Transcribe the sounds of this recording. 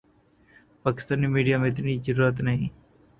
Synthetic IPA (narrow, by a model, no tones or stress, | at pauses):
paːkɪ̥st̪aːnimiːɖijaːmẽɪt̪nizəɾuːɾət̪nəɦĩː